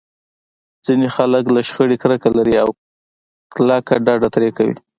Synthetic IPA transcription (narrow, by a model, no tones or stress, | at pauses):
d͡zinexaləklaʃxəɽikɾəkalaɾiaw | klakaɖɑɖat̪ɾekawḭ